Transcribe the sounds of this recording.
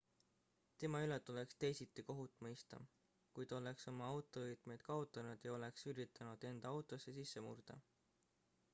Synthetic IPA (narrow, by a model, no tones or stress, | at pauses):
t̪e̞mɑylet̪ːˑole̞kst̪e̞jsit̪ːˑiko̞ɦut̪ːˑmɤjst̪ɑ̰ | kujd̪ɑo̞le̞kso̞mɑɑwt̪ˑo̞ɤjd̪̥me̞jd̪̥kɑot̪ːˑɑnud̪̥jɑo̞le̞ksyɾit̪ːˑɑnud̪̥e̞nd̪̥ɑɑwt̪ˑo̞sːe̞sisːe̞mṵrd̪̥ɑ̰